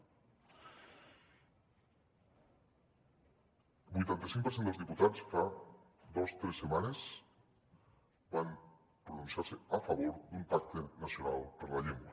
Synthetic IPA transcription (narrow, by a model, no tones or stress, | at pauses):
bujt̪ant̪asĩŋkp̬eɾsend̪elzðiput̪at͡sfa | ðost̪ɾesːemanes | bam | pɾonũnsjaɾseafaβ̞oɾðumpak̚t̪enasjonalpeɾlaʎeŋɡwa